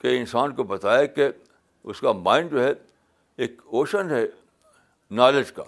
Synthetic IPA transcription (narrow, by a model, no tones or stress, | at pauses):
keɪnsaːnkobɐt̪aːjake | ʊskamãːɪ̃nɖd͡ʒoːɦɛ | eːkoːʃənɦɛ | naːled͡ʒka̰ː